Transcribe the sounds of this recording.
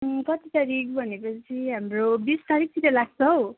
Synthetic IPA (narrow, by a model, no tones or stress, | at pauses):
kʌt̪it̪ʌɾik̚bʱʌnekot͡sʰiɦamrobist̪aɾik̚titʌlaɡt͡sʰʌɦow